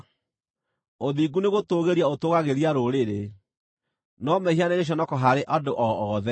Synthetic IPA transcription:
oðiɡuneɣotoɣeɾiaotoɣaɣeɾiaɾoɾeɾe | nɔmɛhianeɣeɕ̬ɔnɔkɔɦaɾeʔadoʔɔɔðɛ

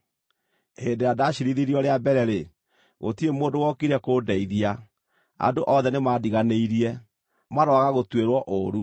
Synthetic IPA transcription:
endeadaɕiɾiðiɾiɔɾeabɛɾɛɾe | ɣo̰tiemoːndowɔkiɾɛkoːdɛiðia | a̰doʔɔðɛnemaːdiɣaneiɾiɛ | maɾɔaɣaɣotweɾwɔʔoɾu

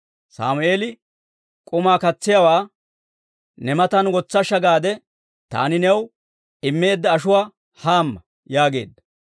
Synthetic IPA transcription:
sa̰ːmʊe̞ːlɪ | kʼʊmaːkɐt͡sːɪjawaː | nɛmɐt̪ɐnwɔt͡sːɐʃɐɡaːd̪ɛ | t̪a̰ːnɪnɛw | ɪmːe̞ːd̪ːɐːʃʊwaː | haːmːɐ | jaːɡe̞̰ːd̪ːɐ̥

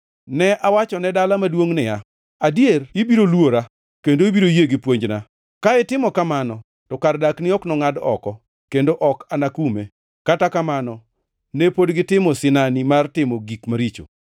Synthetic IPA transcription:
nɛʔawat͡ʃɔnɛdalamadwoŋnɪja | adjerɪbiɾolwoɾa | kendoibiɾojeɡɪpwoɲd͡ʒna | kaɪtɪmɔkamanɔ | tɔkardaknɪɔknɔŋadɔ̰kɔ | kendoʔɔkanakume | katakamanɔ | nɛpodɡɪtɪmɔsɪnanimartɪmɔɡikmaɾit͡ʃo̰

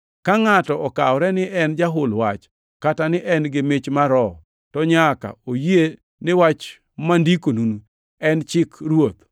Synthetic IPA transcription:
kaŋatɔʔɔkawɾɛnɪʔɛnd͡ʒaɦʊlwa̰t͡ʃ | katanɪʔɛnɡɪmet͡ʃmaɾɔ | tɔɲaka̰oje | nɪwat͡ʃ | mandikonunu | ɛnt͡ʃɪkɾwot̪̚

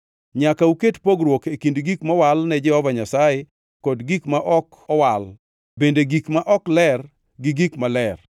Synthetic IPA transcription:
ɲakauketpoɡɾwokekindɡikmɔwalnɛd͡ʒɛhɔvaɲasaje | kɔdɡikmaʔɔk | ɔwal | bendeɡikmaʔɔklɛr | ɡɪɡikmalɛr

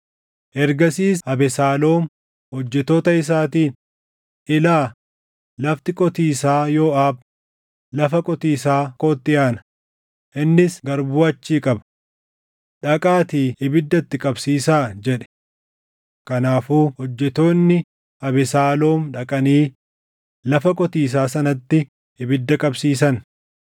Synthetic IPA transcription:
ʔɛɾɡɐsiːshɐbɛsaːlo̞ːm | hɔd͡ʒːɛt̪oːt̪ɐɪs̬aːt̪iːn | ʔɪlaː | lɐft̪ɪkʼɔt̪iːsaːjo̞ːʔaːb̚ | lɐfɐkʼɔt̪iːsaːkʼoːt̪ːɪjaːnɐ | ʔɪnːɪsɡɐɾbuːɐt͡ʃːiːkʼɐbɐ | ᶑɐkʼaːt̪iːɪbɪd̪ːɐt̪ːɪkʼɐbsiːsaːd͡ʒɛᶑɛ̥ | kɐnaːfuːhɔd͡ʒːɛt̪o̞ːnːɪ | ɐbɛsaːlo̞ːmᶑɐkʼɐniː | lɐfɐkʼɔt̪iːs̬aːsɐnɐt̪ːɪ | ɪbɪd̪ːɐkʼɐbsiːsɐn

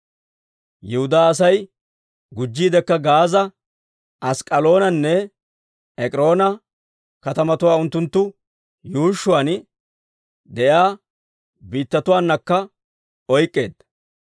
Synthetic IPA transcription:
jɛhʊd̪aːɐs̬ɐj | ɡʊd͡ʒːiːd̪ɛkːɐɡaːzɐ | ʔɐskʼɐlo̞ːnɐnːɛ | ɛkʼɪɾo̞ːnɐ | kɐt̪ɐmɐt̪ʊwaːʊnt̪ːʊnt̪ːʊ | juːʃːʊwaːn | d̪ɛjaː | biːt̪ːɐt̪ʊwaːnːɐkːɐ | ɔjkʼːe̞̰ːd̪̚

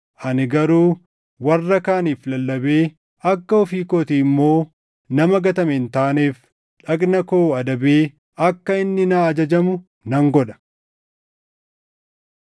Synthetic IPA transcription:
ʔɐnɪɡɐɾuː | wɐrːɐkaːniːflɐlːɐbe̞ː | ɐkːɐɔfiːkoːt̪iɪmːo̞ː | nɐmɐɡɐt̪ɐmɛɪnt̪aːneːf | ᶑɐkʼnɐkoːɐd̪ɐbeː | ʔɐkːɐɪnːɪnaːɐd͡ʒɐd͡ʒɐmʊ | nɐŋɡɔᶑɐ̥

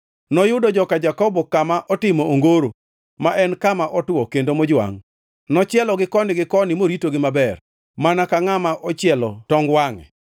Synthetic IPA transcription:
nɔjʊdɔd͡ʒɔkad͡ʒakɔbɔkamaʔɔtɪmɔoŋɡoɾo | maʔɛnkamaʔɔtɔkendomod͡ʒwa̰ŋ | nɔt͡ʃɪɛlɔɡɪkɔnɪɡɪkɔnɪmoɾitoɡɪmabɛr | manakaŋamaʔɔt͡ʃɪɛlɔtɔŋɡwaŋɛ̰

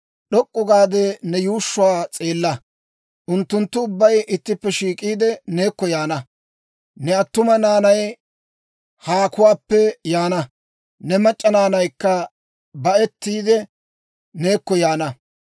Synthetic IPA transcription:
ɗɔkʼːʊɡaːd̪ɛnɛjuːʃːʊwaːt͡sʼe̞ːlːɐ | ʔʊnt̪ːʊnt̪ːʊʊbːɐjʔɪt̪ːɪpːɛʃiːkʼiːd̪ɛne̞ːkːɔjaːnɐ | nɛɐt̪ːʊmɐnaːnɐj | haːkʊwaːpːɛjaːnɐ | nɛmɐt͡ʃʼːɐnaːnɐjkːɐ | bɐʔɛt̪ːiːd̪ɛ | neːkːɔjaːnɐ

